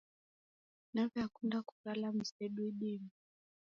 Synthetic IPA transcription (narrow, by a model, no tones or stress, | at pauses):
navjakwɛndaku̥lalam̩sɛɗwiɗɛmi